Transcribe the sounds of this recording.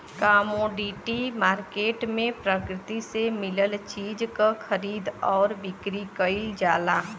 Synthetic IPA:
kaːmoːɖiːʈimaːɾkeːʈmẽpɾəkɾɪt̪isemɪləlt͡ʃiːd͡ʒkaxəɾiːd̪ɔːɾbɪkɾikəild͡ʒaːlaː

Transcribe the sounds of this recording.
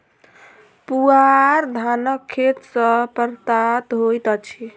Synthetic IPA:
puaɾd̪ʱanəkʰːet̪səpəɾt̪at̪ɦojt̪ət͡ʃʰi

